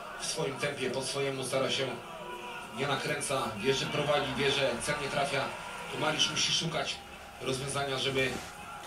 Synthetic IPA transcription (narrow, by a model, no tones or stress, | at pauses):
fsfɔjimt̪ɛmpʲjɛpɔsfɔjɛmust̪aɾaɕɛ | ɲɛnakɾɛnt̪savʲjɛʐɛpɾɔvad͡ʑivʲjɛʐɛt̪sʲaɲɛt̪ɾafʲja | t̪ɔmalʲiʂmuɕiʂukat͡ɕ | ɾɔzvʲjɔ̃w̃zaɲaʐɛbɘ